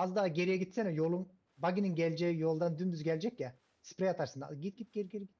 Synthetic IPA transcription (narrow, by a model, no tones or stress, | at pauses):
azd̪aːɡʲe̞ɾijɛɡʲit̪sɛnojolˠum | baɡʲininɡʲælʲd͡ʒeijo̞lˠd̪and̪ynd̪yzɡʲælʲd͡ʒɛkja | spɾejat̪ʰaɾsɯnd̪a̰ɡit̪̚ɡ̥ʲit̪̚ɡ̥ʲeɾɡʲeɾɡʲi